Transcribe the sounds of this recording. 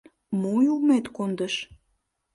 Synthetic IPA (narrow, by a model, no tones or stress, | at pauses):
mujulmet̪kond̪əʃ